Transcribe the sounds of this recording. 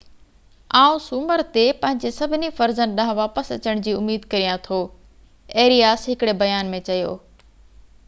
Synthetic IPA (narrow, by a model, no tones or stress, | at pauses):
aːũsuməɾt̪epɐ̃ɦɪ̃ɲd͡ʑesɐbʱɪnifɐɾzənɗɐ̃ɦʋaːpəsɐt͡ɕəɽ̃d͡ʑiːʊmiːd̪̚kɐɾijãt̪ʰoː | eːɾijaːsɦɪkɪɽebɐjaːnmẽt͡ɕɐjo̰ː